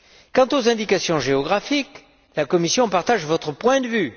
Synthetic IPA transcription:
kɑ̃t̪ozɛ̃d̪ikasjɔ̃ʒeɔɡʁafik | lakɔmisjɔ̃paʁt̪aʒvɔt̪χəpwɛ̃d̪əvy

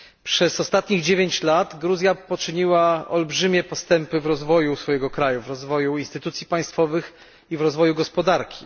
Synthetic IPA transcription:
pʂɛzɔst̪at̪ɲiɣd͡ʑevʲjeɲt͡ɕlat̪ɡɾuzʲjapɔt͡ʂɘɲiwaɔlbʐɘmʲjɛpɔst̪ɛmpɘvɾɔzvɔjusfɔjɛɡɔkɾajuvɾɔzvɔjuinst̪ɘt̪ut̪sʲjipaj̃st̪fɔvɘx | ivɾɔzvɔjuɡɔspɔd̪aɾkʲi̥

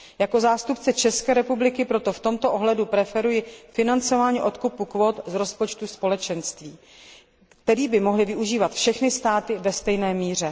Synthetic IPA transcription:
jako̞zaːst̪upt͡sɛt͡ʃɛskɛːɾɛpublɪkɪpɾo̞t̪o̞ft̪omt̪oʔo̞ɦlɛdupɾɛfɛɾujɪfɪnant͡so̞vaːɲiːʔo̞t̪kupukvo̞ːt̪zɾo̞spo̞t͡ʃt̪uspo̞lɛt͡ʃɛnst̪viː | kt̪ɛɾiːbɪmo̞ɦlɪvɪʔuʒiːvat̪fʃɛxnɪst̪aːt̪ɪvɛst̪ɛjnɛːmiːr̝ɛ

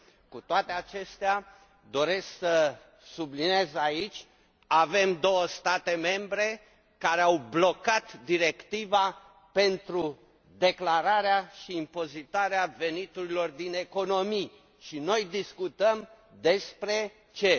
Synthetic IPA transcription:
kut̪oat̪e̞at͡ʃe̞st̪ea | d̪o̞ɾe̞sksə | sublinezait͡ʃʲ | ave̞md̪o̞wəst̪at̪e̞me̞mbɾe̞ | kaɾeawblo̞kat̪d̪iɾe̞kt̪iva | pe̞nt̪ɾu | d̪e̞klaɾaɾeaʃiːmpo̞zit̪aɾeave̞nit̪uɾilo̞rd̪ine̞ko̞no̞mi | ʃino̞jd̪iskut̪əm | d̪e̞spɾe̞ | t͡ʃe̞

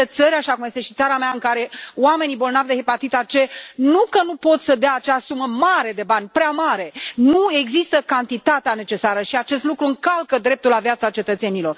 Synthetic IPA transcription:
et̪səɾʲaʃakumje̞st̪e̞ʃi̥t̪saɾameaɨŋkaɾe̞wame̞nibo̞lnavd̪e̞ɦepat̪it̪art͡ʃe̞nukənupo̞t̪səd̪eaːt͡ʃasuməmaɾe̞d̪e̞banʲpɾeamaɾe̞nue̞ɡzist̪əkant̪it̪at̪eane̞t͡ʃe̞saɾəʃiat͡ʃe̞st̪lukɾuɨŋkalkəd̪ɾe̞p̚t̪ulavjat̪sat͡ʃe̞t̪ət̪se̞nilo̞r

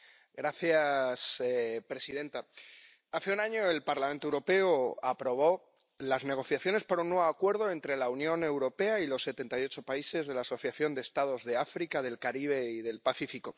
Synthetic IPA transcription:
ɡɾaθjasepɾe̞sið̞e̞nt̪a | aθe̞unaɲo̞e̞lpaɾlament̪oewɾo̞pe̞oapɾo̞β̞o̞ | lazne̞ɣ̞o̞θjaθjo̞ne̞spaɾunːwe̞βoakwe̞ɾðo̞e̞nt̪ɾe̞launjõ̞ne̞wɾo̞pe̞ailo̞sːe̞t̪e̞nt̪ajo̞t͡ʃo̞paise̞zðe̞laːso̞θjaθjo̞nd̪eːst̪að̞o̞zðe̞afɾikaðe̞lkaɾiβ̞e̞iðe̞lpaθifiko̞

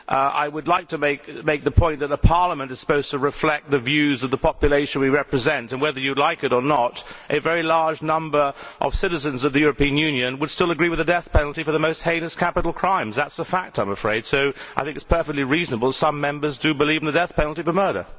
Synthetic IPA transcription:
ʔa̰ɪwədˡlaɪk̚tʰɨmeɪk̚meɪk̚ðəpʰɔ̃ɪ̃nðɨt̪̚ðəpʰɑɹləmə̃ntɨz̥sə̥poʊz̥tʰəɹɨflɛk̚t̪̚ðɨvjʉzʌvðəpʰɑpjɨleɪʃɨ̃nwiɹɛpɹɨzɛ̃ntɨ̃nwɛðə˞jɨlaɪkɨɾə˞nəɾʔɨvɛɹilɑɹd͡ʒnʌ̃mbə˞ʔʌ̰v̥sɪɾɨzɨ̃nzʌvðɨjʊɹəpĩɨ̃njʉ̃njɨ̃nwəd̥stɪlˠəɡɹiwɨðɨdɛθpʰɛnl̩ˠtifə˞ðəmoʊst̚hẽɪ̃nɨskʰæpəɾl̩ˠkʰɹ̥ãɪ̃mzðætsəfæk̚tãɪ̃məfɹeɪd̥soʊaɪθɪ̃ŋkɨtspʰɜ˞fɛk̚tˡliɹiznəbl̩ˠsʌ̃mɛ̃mbə˞zdɨbɨlivn̩ðɨdɛθpʰɛnl̩ˠtifə˞mɜ˞ɾə̰˞

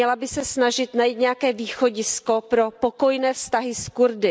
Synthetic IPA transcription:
ɛlabɪsɛsnaʒɪt̪najit̪ɲɛakɛːviːxo̞ɟɪsko̞pɾo̞poko̞jnɛːfst̪aɦɪskuɾdɪ

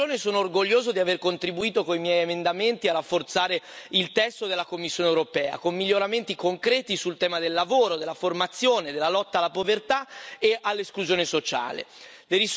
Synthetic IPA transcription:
oːnesoːnoːrɡoʎːoːzod̪iaverkont̪ɾibuiːt̪okoimjɛjemend̪ament̪iarːafːort̪saːɾeilt̪ɛst̪od̪elːakomːisːjoːnewɾopɛːa̰komːiʎːoɾament̪ikoŋkɾɛːt̪isult̪ɛːmad̪elːavoːɾod̪elːaformat̪sːjoːned̪elːalɔt̪ːaalːapovert̪aeʔalːeskluzjoːnesot͡ʃa̰ːlḛ | leɾis

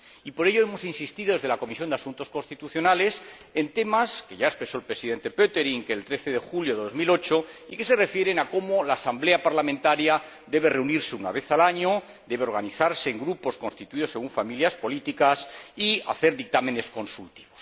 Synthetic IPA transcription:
ipo̞ɾe̞ʎoe̞mo̞sinsist̪iðo̞ð̞e̞zðelako̞misjo̞nd̪easunt̪o̞sko̞nst̪it̪uθjo̞nale̞se̞nt̪e̞maske̞ʝaespɾe̞so̞elpɾe̞siðe̞nt̪e̞pøt̪e̞ɾiŋkeːlt̪ɾe̞θeðe̞xuljoðeðo̞zmilo̞t͡ʃo̞ike̞se̞re̞fje̞ɾenako̞molaːsamble̞apaɾlamẽnt̪aɾja | d̪e̞βe̞re̞uniɾseuna̰βe̞θalaɲo̞ | d̪e̞βeo̞ɾɣ̞aniθaɾse̞ːŋɡɾupo̞sko̞nst̪it̪uið̞o̞sːe̞ɣ̞uɱfamiljaspo̞lit̪ikasia̰θe̞ɾðik̚t̪ame̞ne̞sko̞nsult̪iβo̞̥s

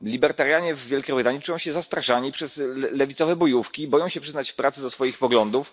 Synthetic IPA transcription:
lʲibɛɾt̪aɾjaɲɛvːʲjɛlkʲɛvɨd̪aɲɛt͡ʂujɔ̃w̃ɕɛzast̪ɾaʂaɲipʂɛzlɛvʲit̪sɔvɛbɔjufkʲibɔjɔ̃w̃ɕɛpʂɘznat͡ɕfpɾat̪sɘd̪ɔsfɔjixpɔɡlɔnd̪uf

